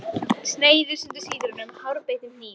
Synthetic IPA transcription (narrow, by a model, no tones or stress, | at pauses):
sneːjðʏst̪ʏnt̪ʏ̥siːðʏɾnʏmhawɾpeːjðɪmniː